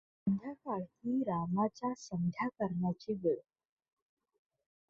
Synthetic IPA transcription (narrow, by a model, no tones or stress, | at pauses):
ənd̪ʱjakaɭkiːɾamat͡ɕjasəŋd̪ʱjakəɾɳjat͡ɕiːɡəɾ